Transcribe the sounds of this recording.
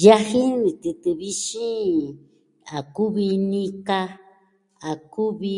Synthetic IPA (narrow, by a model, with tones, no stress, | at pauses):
ja˦hi˦ɾi˨t̪i˨t̪ɨ˨βi˦ʃi˦ | a˨ku˦βi˧nĩ˦ka˧ | a˨ku˦βi˧